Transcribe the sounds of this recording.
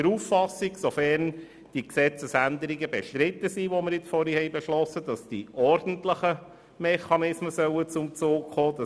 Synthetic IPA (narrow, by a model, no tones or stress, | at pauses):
əɾuːffɑsːiɡsofɛɾn | d̥iksɛt͡səsænd̪əɾiɡəbɛʃtɾɪt̪ːəsiʋoməɾjɪt͡sfɔɾihɛɪjbɛʃlɔsəd̥ɑsd̥iʔɔɾd̥n̩tləχə | mɛχɑnɪsməsœʊət͡sʊmt͡soːkχoːd̥ɑ